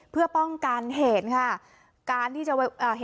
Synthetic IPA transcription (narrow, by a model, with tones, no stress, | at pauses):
pʰɯ˥˩ɐpɔ˥˩ŋka˧nɦeː˩˦nkʰa˥˩ | kaː˧nt̪ʰiː˥˩t͡ɕa˨˩wa˧˥˩ʔaː˨˩ɦe˨